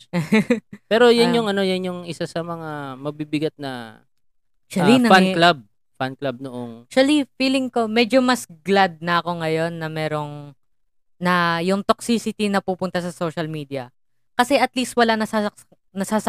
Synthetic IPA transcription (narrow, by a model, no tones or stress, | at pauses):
pɛːɾo̞janjʊŋɐno̞janjʊŋʔɪsasɐmɐŋamɐɡ̚bibɪɡat̪̚nɐ̰ | ʃɐlinɐfanklab̚ | fanklab̚noʔoŋʃɐlifiːlɪŋko̞mɛːd͡ʒo̞mɐsɡlad̪̚nɐʔɐko̞ŋɐjo̞nːɐmɛːɾo̞ŋ | nɐjʊŋt̪ok̚sisɪt̪inɐpuːpʊnt̪ɐsɐso̞ʃɐlmiːd̪iɐ | kɐsɛʔɐt̪liːst̪̚wɐlanɐsa | nɐsaːsɐ